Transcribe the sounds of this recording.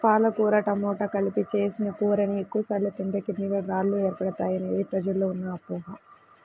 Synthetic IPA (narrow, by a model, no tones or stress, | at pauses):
paːlɐkuːɾɐʈɐmɔːʈɐkɐlipit͡ʃe̞ːsinɐkuːɾɐniekːuʋɐsaːɾlɐt̪iɳɖɐkinːilɐɾaːɾlːuɛːɾɐpɐɽɐt̪aːjɐnɐeːpɾɐd͡ʒɐlːoːunːɐːpuːɦɐ